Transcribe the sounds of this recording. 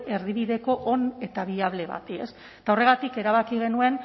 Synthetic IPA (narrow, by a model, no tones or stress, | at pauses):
e̞ɾðiβiðe̞ko̞ʔone̞t̪aβ̞iaβle̞βa̰t̪ie̞̰s | t̪ao̞re̞ɣ̞at̪ike̞ɾaβ̞akiɣ̞e̞nue̞n